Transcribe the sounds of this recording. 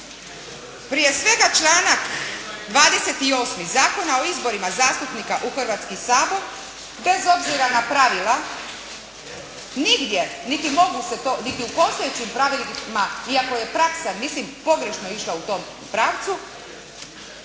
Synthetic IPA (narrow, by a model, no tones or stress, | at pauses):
pɾije̞sʋe̞ɡat͡ʃlˠaːnakd̪ʋaːd̪ese̞t̪io̞ːsmizaːko̞nao̞izbo̞ɾimazaːst̪upnikaʔuxr̩ʋaːt̪skisaːbo̞ɾ | be̞zo̞bziɾanapɾaʋila | niɡd̪je̞nit̪imo̞ɡuse̞t̪onit̪iupo̞st̪ojet͡ɕimpɾaʋilmaiako̞je̞pɾaksamislimpo̞ɡɾe̞ʃnoiʃlˠaut̪o̞ːm | pɾaʋt̪su